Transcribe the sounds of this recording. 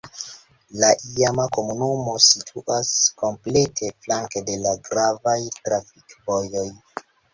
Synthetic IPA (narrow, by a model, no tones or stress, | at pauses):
laʔiamako̞munumo̞sitʰuʔasko̞mple̞tʰe̞flaŋkede̞laɡɾavajtɾafikvojo̞j